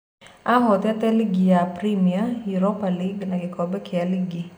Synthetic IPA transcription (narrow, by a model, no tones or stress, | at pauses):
aɦɔt̪ɛtɛliɡijapɾimiajuɾopaliɡnaɡɪkʰɔbɛkɪaliɡi